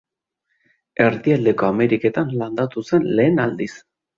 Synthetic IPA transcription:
e̞ɾðiald̪e̞ko̞ame̞ɾike̞t̪anland̪at̪use̞nle̞ːnald̪is

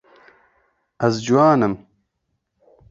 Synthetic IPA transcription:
ɐzd͡ʑuwaːnɐm

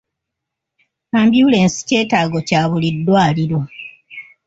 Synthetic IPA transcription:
kaːmbjuleːnsi̥ce̞ːtaːɡo̞caːβulidːwaːliɾwo

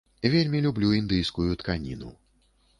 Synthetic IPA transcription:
vʲelʲmʲilʲublʲuind̪ɨjskujut̪kanʲḭnṵ

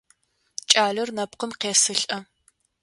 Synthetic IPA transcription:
t͡ʃʼaːɮɨrnɐpqəmqeːsɨɬʼɐ

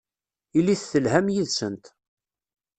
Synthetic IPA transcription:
ilːiθθəlhæmjiðsənt̪

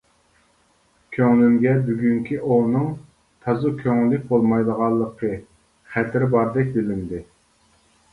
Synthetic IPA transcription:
kʲʰøŋlymɡʲɛbyɡʲyŋkʲʰiʔonɨŋ | t̪ʰɑzukʲʰøŋlɪk̚ʲbolˠmɑjd̪əʁɑlˠːəqʰə | χæt̪ʰɪɾɪbɑɾd̪ɛk̚ʲbɪlynd̪ɪ

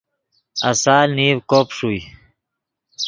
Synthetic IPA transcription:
a̰saːlniːwkoːpʂuj

